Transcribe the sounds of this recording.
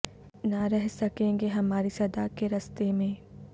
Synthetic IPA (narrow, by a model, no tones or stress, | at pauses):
naɾɛɦsɐkẽːŋɡeɦɐmaːɾisɐd̪akeɾɐst̪emẽː